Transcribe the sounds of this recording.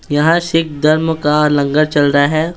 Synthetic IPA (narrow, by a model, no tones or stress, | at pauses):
jɐɦãʃɪk̚ʰd̪ɐɾmkalɐ̃ŋɡəɾt͡ʃɐlɾɐaɦɛː